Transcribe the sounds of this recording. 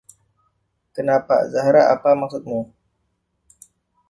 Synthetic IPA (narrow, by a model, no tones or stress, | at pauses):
kənapa̰zaɦaɾaa̰pamak̚sʊt̪̚mu